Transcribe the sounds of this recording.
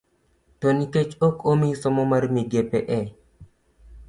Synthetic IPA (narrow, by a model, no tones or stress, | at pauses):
toniket͡ʃokomisɔmɔmaɾmiɡepɛʔɛ